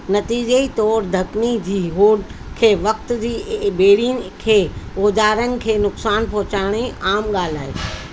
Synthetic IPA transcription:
nɐt̪iːd͡ʑeit̪ɔːɾd̪ʱɐknid͡ʑiːɦoːɖkʰeːʋɐk̚t̪d͡ʑiːbeːɽin̆kʰeːoːd͡ʑaːɾənɪ̆kʰeːnʊksaːnpɔʊt͡ɕaːɽ̃iaːmɠaːl̤aːɦeː

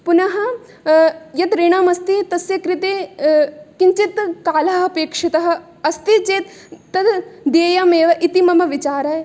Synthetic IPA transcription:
punɐɦɐ̆ | jɐt̪ɾeːɳaːmɐst̪it̪ɐsjɐkɾit̪eː | kiɲt͡ʃit̪kaːlɐɦɐ̆peːkʂit̪ɐɦɐ̆ | ɐst̪it͡ʃeːt̪ːɐd̪d̪eːjɐmeːʋɐʔit̪imɐmɐʋit͡ʃaːɾɐːj

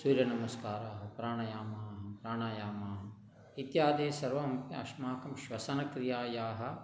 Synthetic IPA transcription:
suːɾjɐnɐmɐskaːɾaːɦɐpɾaːɳɐjaːmaːɦɐpɾaːɳaːjaːmaːɦɐ | it̪jaːd̪eːsɐɾʋɐmpɐɐ̰ʃmaːkɐmʃʋɐsɐnɐkɾɪjaːjaːɦɐ̆

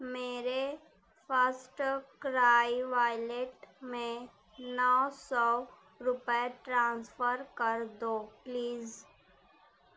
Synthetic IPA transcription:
meːɾe | fʰəɾsʈkɾaːjʋaːɪleʈmẽ | nɔːsɔ | ɾʊpəeʈɾãːnsfəɾkəɾd̪oːpliːz

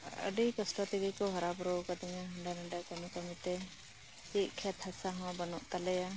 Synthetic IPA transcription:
ə̰ɖikɔsʈɔt̪ibikɔɦɔɾabɾowkad̪ɛɲaɦəɳɖanaɖakəmikəmit̪ɛ | siʔ̚kʰɛt̪hasaɦɔ̃bənuʔt̪alɛja

